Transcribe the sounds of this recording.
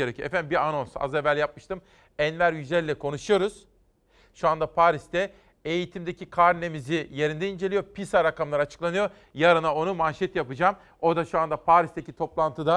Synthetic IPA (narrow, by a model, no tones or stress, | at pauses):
eɾecʰyjoɛfænbiano̞nsa̰zevælʲjap̚mɯʃt̪ʰɯm | ɛnvæɾjyd͡ʒlʲeɾilʲɛkʰo̞nuʃujo̞ɾuz̥ | ʃuand̪apʰaːɾist̪ɛ | ejit̪ʰimd̪ecikʰaɾne̞mizije̞ɾind̪ɛind͡ʒe̞lʲijo̞pʰisaɾakamlˠaɾat͡ʃʰɯ̥klˠanɯjo̞ | jaɾanao̞numanʃɛt̪japɯd͡ʒaːm | o̞ɾd̪aʃuand̪apʰaːɾist̪ecit̪ʰo̞plˠant̪ʰɯd̪a